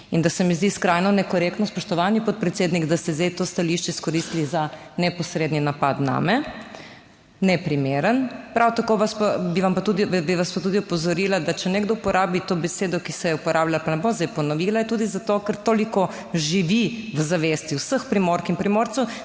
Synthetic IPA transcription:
ind̪asɛmizd̪iskɾajnɔnɛkɔɾekt̪nɔspɔʃt̪ɔʋanipɔt̪̚pɾɛt̪seːd̪niɡd̪ast̪ɛzd̪ejt̪ost̪aliʃt͡ʃɛiskɔɾist̪lizanɛpɔsɾeːd̪ninapa̰d̪na̰mɛ | nɛpɾimeːɾənpɾawt̪akoːʋaspabiʋampat̪ud̪ibiʋaspat̪ud̪iupɔzɔɾiːlad̪at͡ʃɛneɡd̪ɔupɔɾʔaːbit̪obɛseːd̪ɔkisɛjɛupɔɾʔaːblalapanɛbomzd̪ɛjpɔnɔʋiːlaɛt̪uːd̪izat̪okəɾt̪oːlikɔ | ʒiʋiʋzaʋest̪iwsəxpɾimoɾkinpɾimoɾt̪sɛw

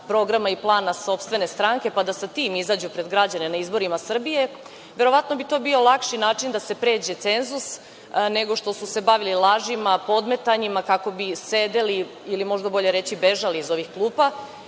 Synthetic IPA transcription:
pɾo̞ɡɾamaiplˠaːnaso̞pst̪ʋe̞ne̞st̪ɾaŋke̞pad̪asat̪iːmizaːd͡ʑupɾe̞d̪ɡɾad͡ʑane̞naizboɾimasr̩bije̞ | ʋe̞ɾo̞ʋat̪no̞bit̪o̞bio̞lˠakʃinaːt͡ʂind̪ase̞pɾe̞ːd͡ʑe̞t̪se̞nzus | ne̞ɡo̞ʃt̪o̞suse̞baʋililˠaːʒimapo̞d̪me̞t̪aɲimakako̞bised̪eli | ilimo̞ʒd̪abo̞ʎe̞ɾet͡ɕibe̞ʒaliːzo̞ʋixklˠuːpa

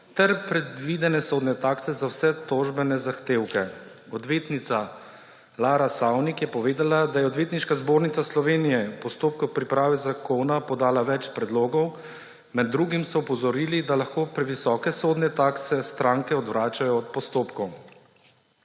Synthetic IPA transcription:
t̪ɛɾpɾɛd̪ʋid̪ɛnɛsoːd̪nɛt̪aːksɛzawsɛt̪oʒbɛnɛzaxt̪eːwkɛ | ɔd̪ʋeːt̪nit̪sa | laːɾasawnikjɛpɔʋeːd̪alad̪ajɛɔd̪ʋeːt̪niʃkazboːɾnit̪saslɔʋeːnijɛpɔst̪oːp̚kɔwpɾipɾaːʋɛzakoːnapɔd̪aːlaʋɛt͡ʃpɾɛd̪loːɡɔw | mɛd̪ːɾuːɡimsɔːpɔzɔɾiːlid̪alaxkoːpɾɛʋisɔːkɛsoːd̪nɛt̪aːksɛst̪ɾãːŋkɛɔd̪ʋɾaːt͡ʃajɔːt̪̚pɔst̪oːpkɔw

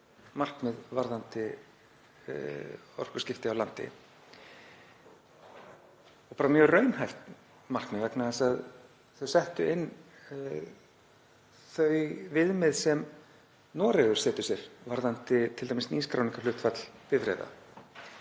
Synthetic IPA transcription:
mar̥knɛðvaɾðant̪ɪ | ɔ̰r̥kʏ̥scɪft̪ɪawlant̪ɪ̰ | ɔpaːɾamjœːɣrœɥnhajft̪ | mar̥knɪvɛknaɛsað | θœɥsɛht̪ʏɪnː | θœɥvɪðmɪðsɛm | nɔːɾɛɣʏ̥sɛːt̪ʏ̥sjɛɾvaɾðant̪ɪt̪ʰɪlt̪ajmɪsniːskɾa̰wniŋkalʏht̪fat̪l̥pɪvɾɛ̰ːjða̰

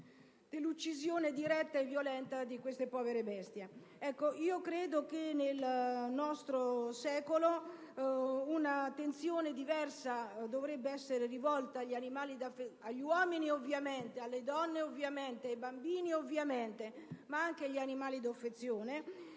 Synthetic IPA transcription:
d̪̥elːut͡ʃːizjoːned̪iɾɛt̪ːaevːjolɛnt̪ad̪ikwest̪epɔːveɾebɛst̪je | ɛkːoʔiːokɾeːd̪okenelnɔst̪ɾosɛːkolo | unat̪ent̪sjoːned̪ivɛrsad̪ovɾɛbːeɛsːeɾerivɔlt̪aːʎːanimaːlid̪afeaʎːiwɔːminiovːjament̪ealːed̪ɔnːeovːjament̪eajbambiːniovːjament̪emaaŋkeaʎːianimaːlid̪ofːet̪sːjoːne

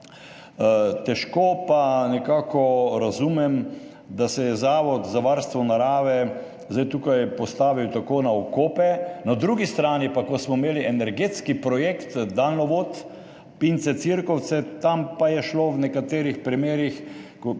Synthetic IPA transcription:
t̪ɛʃkoːpanɛkaːkɔɾazumɛm | d̪asɛjɛzaːʋɔt̪zaʋaɾst̪ʋɔnaɾaːʋɛ | zd̪ajt̪ukajpɔst̪aːʋiwt̪akoːnaɔkoːpɛnad̪ɾuɡist̪ɾaːnipakɔsmɔmeːliʔɛnɛɾɡet̪skipɾɔjekt̪d̪aːlnɔʋot̪ | pint̪sɛt̪siɾkɔw̪sɛt̪ampajɛʃlownɛkat̪eːɾixpɾimeːɾixkɔ

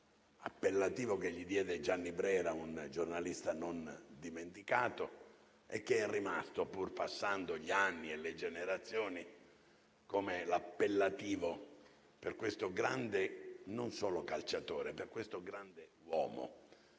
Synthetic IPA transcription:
a̰pːelːat̪iːvokeʎːid̪jɛːd̪ed͡ʒanːibɾɛːɾaund͡ʒornalist̪anond̪iment̪ikaːt̪o | ɛ̰kːeɛrːima̰st̪opurpasːand̪oʎianːieled͡ʒeneɾat̪sːjɔːni | komelapːelːat̪iːvo | perkwest̪oɡɾand̪enonsɔːlokalt͡ʃat̪oːɾeperkwest̪oɡɾand̪ewɔ̰ːmo̰

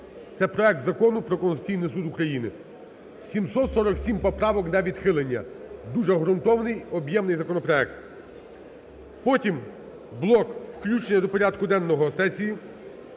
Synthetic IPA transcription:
t̪sɛpɾɔɛk̚t̪zɐkɔnʊpɾɔkɔnsʊt͡sʲijnɪjsud̪ʊkɾɐjinɪ | sʲimsɔt̪sɔɾɔksʲimpɔpɾɑʋɔknɐʋʲid̪xɪlˠenʲːɐd̪uʒɛɦɾʊnt̪ɔʋnɪjɔbjɛmnɪjzɐkɔnɔpɾɔɛk̚t̪ | pɔtʲim | blˠɔkwklʲut͡ʃenʲːɐd̪ɔpɔɾʲad̪kʊd̪ɛnːɔɦɔsɛsʲiji

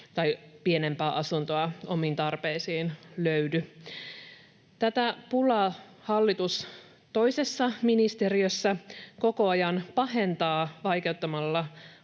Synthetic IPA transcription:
t̪ɑjpie̞ne̞mpæːʔɑsunt̪oɑo̞mint̪ɑrpeːsiːnløydy | t̪æt̪æpulɑhɑlːit̪us | t̪o̞ise̞sːɑminist̪e̞ɾiøsːæko̞ko̞ɑjɑnpɑɦe̞nt̪ɑːʋɑjke̞wt̪ːɑmɑlːɑ

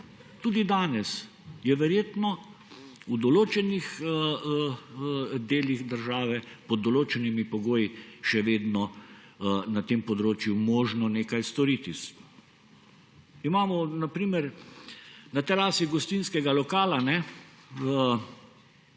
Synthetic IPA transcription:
t̪uːd̪id̪aːnɛs | jɛʋɛɾjeːt̪nɔ | ud̪ɔloːt͡ʃɛnix | d̪eːlixd̪əɾʒaːʋɛpɔd̪ːɔloːt͡ʃɛnimipɔɡoːjiʃɛʋeːd̪nɔ | nat̪eːmpɔd̪ɾoːt͡ʃjumɔːʒnɔneːkajst̪ɔɾit̪is | imaːmɔnapɾiːmɛɾ | nat̪ɛɾaːsiɡɔst̪inskɛɡalɔkaːlanɛ | ə

